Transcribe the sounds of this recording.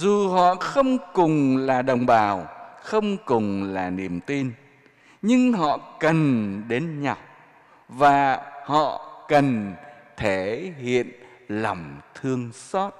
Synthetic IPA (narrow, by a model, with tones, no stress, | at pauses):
zu˨˩ɦɔ̰˧˨xə˧wŋ͡mkʊ˨˩ŋ͡mlaː˨˩ɗə˨˩wŋ͡mɓaː˨˩wxə˧wŋ͡mkʊ˨˩ŋ͡mlaː˨˩ni˨˩əmt̪i˧n | ɲɨ˧ŋɦɔ̰˧˨kə˨˩nɗe˨˦nɲa˨˩w | vaː˨˩hɔ̰˧˨kə˨˩nt̪ʰe˧˩ɦḭ˧˨ən | la˨˩wŋ͡mt̪ʰɨ˧əŋsɔ˦˥t̚